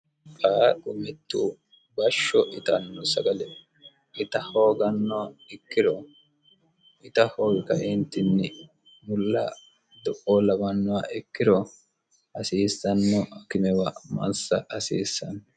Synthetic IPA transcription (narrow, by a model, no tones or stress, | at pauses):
paːkʼʊmɪt̪ːu | bɐʃːɔʔɪt̪ɐnːɔsɐɡɐlɛ | ʔɪt̪ɐhoːɡɐnːɔwaɪkːɪɾɔ | ʔɪt̪ɐhoːɡɪkɐʔɪnt̪ːɪnːɪ | mʊlːɐ̰ | d̪ɔʔɔlɐmɐnːɔwaɪkːɪɾɔ | ʔɐsiːsːɐnːɔkɪmɛwɐmɐ̰nsɐʔɐsiːsːɐnː